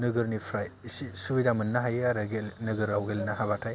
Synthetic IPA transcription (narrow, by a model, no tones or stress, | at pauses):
nɯɡɯɾnipʰɾajsisubidamɯnːaɦajaɾɯɡelnɯɡɯɾawɡelnaɦabatʰaj